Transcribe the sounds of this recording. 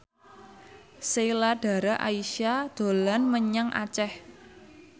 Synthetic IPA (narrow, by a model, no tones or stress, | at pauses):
selaɖ̥a̤ɾaʔaiʃad̪̥o̤lanməɲaŋʔa̰t͡ʃɛh